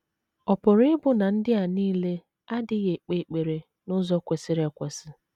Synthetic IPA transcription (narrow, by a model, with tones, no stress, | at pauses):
ɔ˨pʊ˨ɾɪ˦ɪ˦bʊ˦na˨n̩˦dɪ˦a˨niː˦le˦ | a˦dɪ˦ɣe˨k͡pe˨k͡pe˨ɾe˨ | nʊ˦zɔ˦kʷe˨sɪ˦ɾe˨kʷe˨sɪ˦